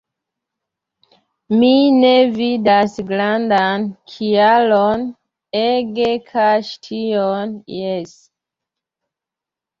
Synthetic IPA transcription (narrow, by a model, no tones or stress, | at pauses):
minevidasɡlandankʰialon | eɡekʰaʃtʰionjes